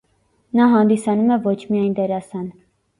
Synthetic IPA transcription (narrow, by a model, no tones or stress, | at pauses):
nɑɦɑnd̪isɑnumɛvɔt͡ʃʰmiɑjnd̪ɛɾɑsɑn